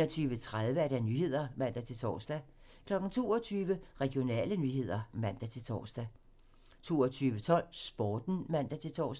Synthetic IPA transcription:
ɒt͡sʰyːʋət͡sʰʁað̞ˠʋəæɐɾænyhe̝ð̞̰ˠɐmæn̰d̥æt͡sʰe̝lt͡sʰɒ̰ːsd̥æ | kʰlɒ̽ɡ̥n̩t͡sʰo̝ːɒt͡sʰyːʋəʁɛɡ̥io̝nɛ̰ːlənyːhe̝ð̞̰ˠɐmæn̰d̥æt͡sʰe̝lt͡sʰɒ̰ːsd̥æ | t͡sʰo̝̰ːɒt͡sʰyːʋət͡sʰɒ̽l̰sb̥ɒːd̥n̩mæn̰d̥æt͡sʰe̝lt͡sʰɒ̰ːs

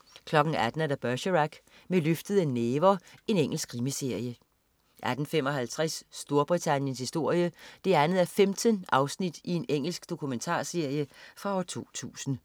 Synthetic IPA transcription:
kʰlɒ̽ɡ̥n̩æd̥n̩æɐd̥æb̥ɶɕəʁæɡ̥ | meløfd̥əð̩ˠenːeːʋɐe̝neŋ̰l̩sɡ̥ʁimise̝ɐ̰jə | ʔæd̥n̩fem̰ɒ̽ɦælt͡sʰʁɛsːd̥o̝ɐb̥ʁit͡sʰænjənshisd̥o̝ɐ̰jəd̥e̝ænð̩ˠæɐfemd̥ʰənʔɑ̈ʊsnid̥ie̝neŋ̰l̩sɡ̥d̥o̝kʰument͡sʰɑ̰̈ːse̝ɐ̰jəfʁɑ̈ɒʊt͡sʰo̝̰ːt͡sʰṵːsn̩

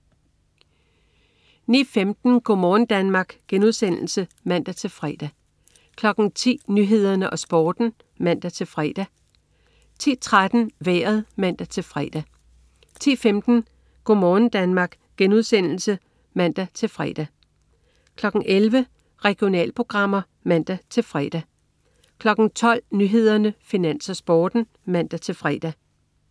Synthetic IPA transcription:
nḭːfemd̥n̩ɡ̥omɒːn̩d̥ænmɑ̈ːɡ̥ɡ̥enuðˠsen̰l̩səmæn̰d̥æt͡sʰe̝lfʁɛːd̥æ | kʰlɒ̽ɡ̥n̩t͡sʰḭːnyɦe̝ð̞̰ˠɐnəʔɒ̽sb̥ɒːd̥n̩ | mæn̰d̥æt͡sʰe̝lfʁɛ̰d̥æ | t͡sʰḭːt͡sʰʁad̥n̩ʋeːɐðˠmæn̰d̥æt͡sʰe̝lfʁɛːd̥æ | t͡sʰḭːfemd̥n̩ | ɡ̥omɒːnn̩d̥ænmɑ̈ːɡ̥ | ɡ̥enuðˠsen̰l̩sə | mæn̰d̥æt͡sʰe̝lfʁɛ̰ːd̥æ | kʰlɒ̽ɡ̥n̩ʔelʋə | ʁɛɡ̥io̝nɛ̰ːlpʰʁo̝ɡ̥ʁɑ̈m̰ɐ | mæn̰d̥æt͡sʰe̝lfʁɛ̰d̥æ | kʰlɒ̽ɡ̥n̩t͡sʰɒ̽l̰nyɦe̝ð̞ˠɐnəfinæn̰sɒsb̥ɒːd̥n̩ | mæn̰d̥æt͡sʰe̝lfʁɛ̰d̥æ

